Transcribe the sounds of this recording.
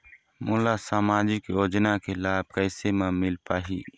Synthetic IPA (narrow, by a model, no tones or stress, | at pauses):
moːlasaːmaːd͡ʒɪkjoːd͡ʒnakelaːb̚kəɪsemẽmɪlpaːɦiː